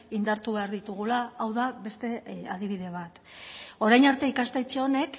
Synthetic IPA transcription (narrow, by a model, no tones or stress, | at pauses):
ind̪aɾt̪uβe̞aɾðit̪uɣ̞ulaːwðaβe̞st̪e̞aðiβ̞iðe̞β̞at̪ | o̞ɾajnaɾt̪e̞ikast̪ejt͡ʃeo̞ne̞k